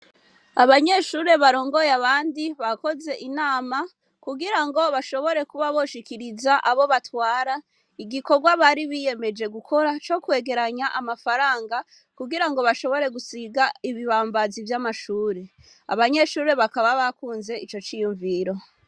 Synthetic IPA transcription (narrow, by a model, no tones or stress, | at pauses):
aβaɲe̞ʃuːɾe̞βaɾo̞ːŋɡo̞jaβaːndiβako̞ze̞ʔinaːma | kuɡiɾaŋɡo̞βaʃo̞βo̞ɾe̞kuβaβo̞ʃikiɾizaʔaβo̞βatwaːɾa | iɡiko̞ɾɡwaβaɾiβije̞me̞d͡ʒe̞ɡukʰo̞ɾat͡ʃo̞kwe̞ːɡe̞ɾaɲaʔamafaɾaːŋɡa | kuɡiɾaŋɡo̞βaʃo̞βo̞ɾe̞ɡusiɡaiβiβaːmbazivjamaʃuːɾe̞ | a̰βaɲe̞ʃuːɾe̞βakaβaβakuːnze̞it͡ʃo̞t͡ʃijuɱviɾo̞